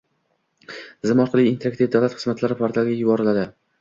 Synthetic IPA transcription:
zɪmɒɾqʰɨlˠijːnt̪ʰeɾakt̪ifd̪awlat̪χɨ̥zmat̪laɾɪpʰoɾt̪ʰalˠɡʲajʊbɒɾɪlad̪ɪ

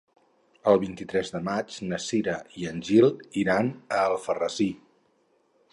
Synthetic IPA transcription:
əlˠβint̪it̪ɾɛzðəmad͡ʒnəsiɾəiənʲʒilˠiɾanəːlˠfərəzi

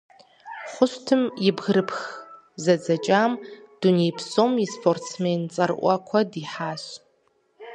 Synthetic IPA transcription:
χʷʊstʰɨmjɪbɣɾɨpʰx | zɐd͡zɐt͡ʃʼaːmd̥unejpʰsomispʰortsment͡sʼɐrʔʷɐ̰kʷʰɐdiħaːɕ

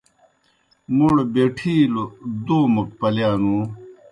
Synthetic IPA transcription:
muɽbeʈʰiːlod̪oːmɐk̚pɐljaːnu

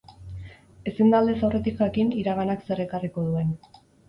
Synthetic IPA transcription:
e̞sind̪ald̪esawre̞t̪ikʝakiniɾaɣanakse̞ɾe̞kariko̞ðue̞n

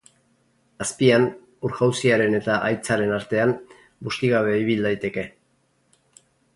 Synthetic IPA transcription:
aspian | uɾɣawsiaɾe̞ne̞t̪aʔajt͡saɾe̞naɾt̪e̞am | bust̪iɣaβ̞e̞iβ̞ild̪ajt̪e̞ke̞

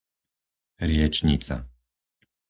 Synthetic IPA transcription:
ɾɪɛt͡ʃɲit͡sa̰

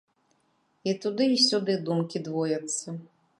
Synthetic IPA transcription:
it̪ud̪ɨisʲud̪ɨd̪umkʲid̪vɔjɐt̪sːɐ

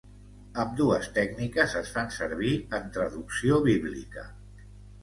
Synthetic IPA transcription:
əmd̪uəst̪ɛɡnikəzəsfansəɾβiənt̪ɾəðuksioβiβlikə̰

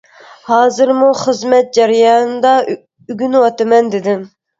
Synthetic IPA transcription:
hɑːzɨɾmuχəzmɛt̪̚d͡ʒɛɾjɑːnɨd̪ɑ | yɡʲynwɑt̪ɨmɛnd̪ɪd̪ɪm

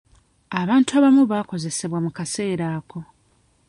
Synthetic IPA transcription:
aβaːntuaβamuβako̞ze̞se̞βwamukase̞ːɾaːko̞

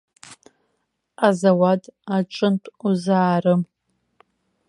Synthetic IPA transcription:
azawatʰʼaʈ͡ʂʷʼɨntʷʼuzaːrɨm

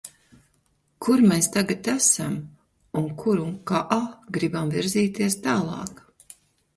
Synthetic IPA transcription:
kuɾmeːst̪aɡat̪æsam | uŋkʰuɾuŋkaʔaɡɾibamviɾziːt̪iɛst̪aːlˠɑ̰ːk

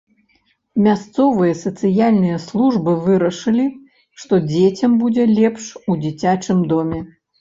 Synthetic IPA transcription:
mʲast̪sɔvɨjɐsɐt̪sɨjalʲnɨjɐslˠuʐbɨvɨɾɐʂɨlʲi | ʂt̪ɔd͡zʲet͡sʲɐmbud͡zʲɛlʲɛpʂud͡zʲit͡sʲat͡ʂɨmd̪ɔmʲɛ

